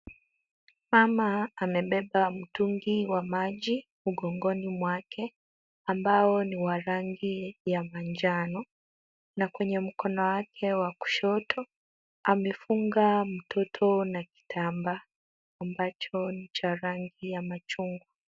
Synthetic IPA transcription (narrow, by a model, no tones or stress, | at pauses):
mamaːmɛɓɛɓam̩tuŋɡiwamaʄi | uɡɔŋɡɔnimwakʰɛ | ambaɔniwaɾaŋɡijamaɲd͡ʒanɔ | nakwɛɲɛm̩kɔnɔwakʰɛwaku̥ʃɔtʰɔ | amɛfuŋɡam̩tʰɔtʰɔnaki̥tʰambaː | mbat͡ʃɔnit͡ʃaɾaŋɡijamat͡ʃuŋɡwu